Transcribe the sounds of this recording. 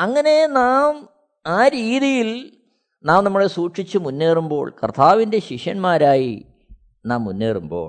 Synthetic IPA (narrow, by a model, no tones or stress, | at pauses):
ɐŋːɐne̞naːm | aːɾiːðijil | naːmnɐmːuɽe̞suːʈʂit͡ɕːumunːe̞ːrumbo̞̰ːɭkɐrt̪ʰaːʋinde̞ɕiʂjɐnmaːɾaːji | naːmːunːeːrumbo̞ːɭ